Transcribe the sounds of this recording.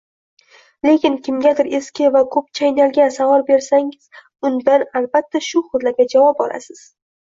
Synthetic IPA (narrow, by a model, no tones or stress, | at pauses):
le̞kʲɪnkʲʰɪmɡʲad̪ɪɾe̞skʲɪvakʰɵp̚t͡ʃʰajnalɡʲasavɒɾbe̞ɾsaŋɪz̥ | ʊnd̪analbat̪ʰːaʃʊχʊd̪laɾɡʲad͡ʒavɒp̚ɒlʔa̰sɪz̥